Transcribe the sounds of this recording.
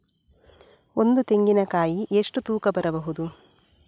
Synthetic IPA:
o̞nd̪ut̪e̞ŋɡinɐkaːjiʔeʂʈut̪uːkɐbɐɾɐbɐɦud̪u

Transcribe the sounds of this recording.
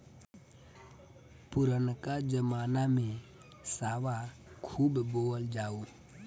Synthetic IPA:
pʊɾənkad͡ʒəmaːnamẽ | saːʋa | kʰuːbboːəld͡ʒaːo

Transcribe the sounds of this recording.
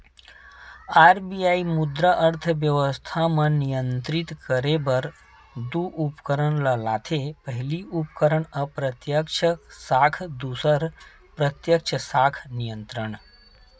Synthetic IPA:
aːɾbijaːimʊd̪ɾəʔəɾt̪ʰəʋjəʋəst̪ʰamə̃nijə̃nt̪ɾɪt̪kəɾebɐɾ | d̪uʔupkəɾəɳ̃ləla̰ːt̪ʰepəɦɪliupkəɾəɳəpɾət̪jəkt͡ʃʰəsaːkʰd̪usəɾ | pɾɐt̪jək̚t͡ʃʰəsaːkʰnijə̃nt̪ɾəɳ̃

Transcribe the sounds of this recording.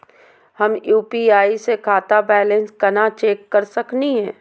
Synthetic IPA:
hɐmjuːpiaːisekʰaːt̪abɛːlẽnskɐnat͡ʃeːkːɐɾsɐkniɦɛ̃ː

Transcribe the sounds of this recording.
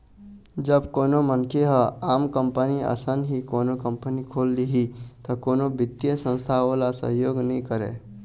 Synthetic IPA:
d͡ʒəbkoːnomənkʰeɦəaːmkəmpəniə̰sənɦikoːnokə̃mpənikʰoːld̪iɦit̪okoːnobɪt̪ːjəsə̃nst̪ʰaoːlasə̰ɦjoːɡnəɦĩkəɾḛ̃ː

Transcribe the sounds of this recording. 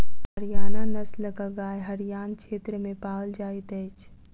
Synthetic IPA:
ɦəɾijaːnanəsləkəɡaːjɦəɾijaːnt͡ʃʰet̪ɾəmẽpaːəld͡ʒaːit̪ət͡ʃʰ

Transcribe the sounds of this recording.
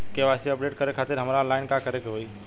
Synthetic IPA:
keʋasiəpɖeʈkəɾekʰat̪ɪɾɦəmɾalaɪnkakəɾekeɦoi

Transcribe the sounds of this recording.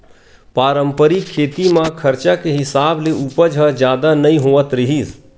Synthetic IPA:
paːɾəmpəɾikʰeːt̪imãkʰəɾt͡ʃakeɦɪsaːbleʔupəd͡ʒɦə̃d͡ʒjaːd̪anɐĩɦoːət̪ɾɪɦiːs

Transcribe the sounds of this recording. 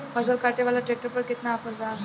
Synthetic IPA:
bəd͡zəɾkaʈeʋalaʈɾek̚ʈəɾpəɾket̪naːpəɾd͡za

